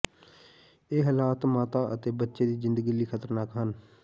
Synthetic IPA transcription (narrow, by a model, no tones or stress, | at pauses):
eːɦəlaːt̪maːt̪aːʔə̰t̪eːbətːʃeːd̪iːzɪ̃nd̪əɡiliːkʰət̪əɾnaːkɦən